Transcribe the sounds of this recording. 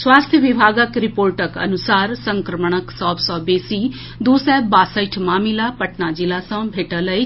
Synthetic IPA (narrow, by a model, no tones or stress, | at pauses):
swaːst̪ʰjəʋibʱaːɡəkɾipoːɾʈəkɐ̰nʊsaːɾsə̃ŋkɾəməɳ̃əksɔːbsɔːbeːsiː | d̪uːsɛbaːsəjʈʰmaːmilapɐʈnad͡ʒilasɐ̃bʱeːʈələi